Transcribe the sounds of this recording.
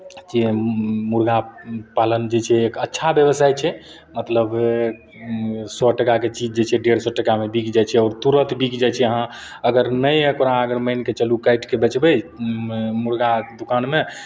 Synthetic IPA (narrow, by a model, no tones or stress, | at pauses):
d͡ʒemuɾɡapalənd͡ʒet͡ʃʰɛːkətːʃʰabjəbəsajt͡ʃʰɛ | mət̪ləb | sɔʈəkaket͡ʃid͡ʒd͡ʒet͡ʃʰɛɖeɾsɔʈəkamebikʰd͡ʒajt͡ʃʰɛɔːɾt̪uɾət̪bikd͡ʒajt͡ʃʰɛəɦã | əɡəɾnəjəkɾaəɡəɾməjnket͡ʃəlukajʈkebət͡ʃbəj | muɾɡad̪ukanme